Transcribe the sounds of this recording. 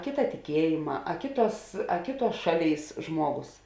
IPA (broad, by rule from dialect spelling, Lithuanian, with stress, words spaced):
ˈkʲeːtɐ tʲɪˈkʲiɛjeːmɐ ɐ ˈkʲeːˌtuɔs ɐ ˈkʲeːˌtuɔs ˈʃɑːˌlʲeːɪs ˈʒmuɔˌɡoːs